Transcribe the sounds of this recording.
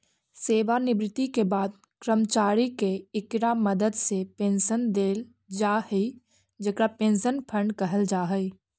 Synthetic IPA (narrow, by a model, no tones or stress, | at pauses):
seːʋanɪbɾɪt̪ikebaːd̪̚ | kɾəmt͡ʃaːɾikeɪkɾaməd̪əd̪sepẽːnʃənd̪eːl | d͡ʒaːhəi | d͡ʒekɾapẽːnʃənpʰə̃ɳɖkəɦəld͡ʒaːɦəi